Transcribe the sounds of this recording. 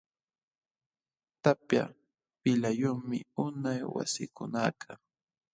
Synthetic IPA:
t̪apja̰ | pɪlajʊŋmɪʊnajwa̰sɪkʊnaːkʰa

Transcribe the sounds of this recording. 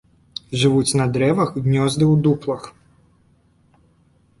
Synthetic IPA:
ʐɨʋut͡sʲnɐd̪ɾɛʋɐxɣnʲɔzd̪ɨwd̪uplˠɐx

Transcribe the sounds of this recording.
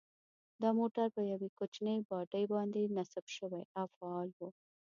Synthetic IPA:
d̪ɑmoʈaɾpəjawekot͡ʃnəjbɑʈəjbɑnd̪enasabʃəwajawfaɑlwu

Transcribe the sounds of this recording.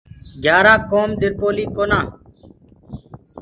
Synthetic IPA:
ɡjaːɾãːkoːmɗɪɾpoːliːkoːnãː

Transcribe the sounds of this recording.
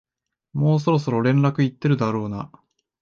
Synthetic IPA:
mo̞ːs̬o̞ɾo̞s̬o̞ɾo̞ɾẽ̞nɾakɯ̟it̪ːe̞ɾɯ̟d̪aɾo̞ːna̰

